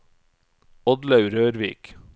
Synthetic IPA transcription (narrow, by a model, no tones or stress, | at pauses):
ɔd̪lɑʉɾøːɾʋḭːk